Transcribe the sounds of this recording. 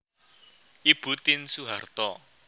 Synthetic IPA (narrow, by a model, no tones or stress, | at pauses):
ʔib̥ṳt̪ɪnsuɦart̪ɔ